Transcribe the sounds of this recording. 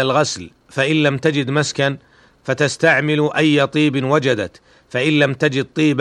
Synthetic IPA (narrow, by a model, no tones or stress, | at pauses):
alɣasl | faʔɪnlamt̪ad͡ʒɪd̪maskan | fat̪ast̪aʕmɪlʔajːat̪ˤiːbnwad͡ʒad̪at̪ | faʔɪnlamt̪ad͡ʒɪd̪̚t̪ˤiːb